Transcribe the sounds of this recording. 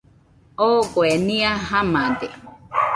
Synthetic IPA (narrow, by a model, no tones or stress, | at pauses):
okwenĩaɦamad̪e